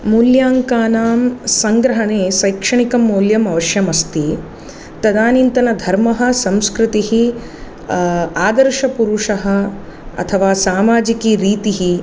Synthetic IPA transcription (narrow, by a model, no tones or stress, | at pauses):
muːljaːŋkaːnaːmsɐŋɡɾɐɦɐɳeːʃɐjkʂɐɳikɐmːoːljɐmɐʋɐʃjɐmɐst̪i | t̪ɐd̪aːnint̪ɐnɐd̪ʱɐɾmɐɦɐ̆sɐ̃mskɾɪt̪iɦi | aːd̪ɐɾʃɐpuɾuʂɐɦɐ̆ | ɐ̰t̪ʰɐʋaːsaːmaːd͡ʒikiɾiːt̪iɦi